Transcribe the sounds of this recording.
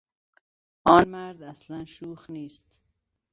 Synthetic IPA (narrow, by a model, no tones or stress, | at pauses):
ɔːnmaɾd̪aslanʃuːxniːst̪